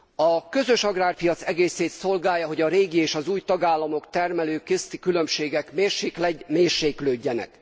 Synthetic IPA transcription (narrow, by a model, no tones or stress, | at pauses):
ɒkø̞zø̞ʃɒɡraːrpijɒt̪sɛɡeːseːt̪so̞lɡaːjːɒɦo̞ɟɒɾeːɡieːʃɒzuːjt̪ɒɡaːlːɒmo̞kt̪ɛrmɛløːkest̪ikylø̞mʃeːɡɛkmeːrʃeːklɛɟmeːrʃeːkløːɟːɛnɛ̰k